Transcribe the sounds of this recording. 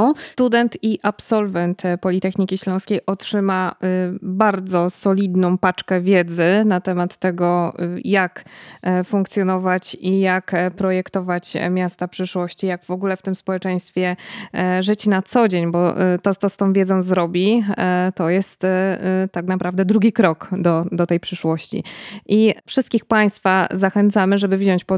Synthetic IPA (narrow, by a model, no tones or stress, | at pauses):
st̪ud̪ɛnt̪iʔapsɔlvɛnt̪pɔlʲit̪ɛxɲikʲiɕlɔ̃w̃skʲejʔɔtʂɘma | baɾd̪zɔsɔlʲid̪nɔ̃w̃pat͡ʂkɛvʲjɛd̪zɘnat̪ɛmat̪ːɛɡɔjakfuŋkt̪sʲjɔnɔvat͡ɕijakpɾɔjɛkt̪ɔvat͡ɕmʲjast̪apʂɘʂwɔɕt͡ɕijaɡvɔɡulɛft̪ɘmspɔwɛt͡ʂɛj̃st̪fʲjɛ | ʐɘt͡ɕnat̪sɔd͡ʑeɲbɔt̪ɔt̪ɔst̪ɔ̃w̃vʲjɛd̪zɔ̃w̃zɾɔbʲit̪ɔjɛst̪t̪ːaknapɾavd̪ɛd̪ɾuɡʲikɾɔkd̪ɔd̪ɔt̪ɛjpʂɘʂwɔɕt͡ɕḭʔifʂɘst̪kʲixpaj̃st̪fazaxɛnt̪samɘʐɛbɘvʑɔɲt͡ɕpɔ